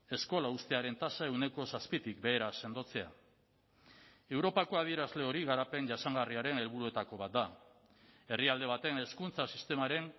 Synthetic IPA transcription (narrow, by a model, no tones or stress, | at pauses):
e̞sko̞laust̪e̞aɾe̞nt̪asae̞wne̞ko̞saspit̪ik̚be̞ːɾase̞nd̪o̞t͡se̞a | e̞wɾo̞pako̞aðie̞ɾazle̞o̞ɾiɣaɾape̞nʝasaŋɡariaɾe̞ne̞lβuɾue̞t̪ako̞β̞at̪̚d̪a | e̞riald̪e̞β̞at̪e̞ne̞skunt͡sasist̪e̞maɾe̞n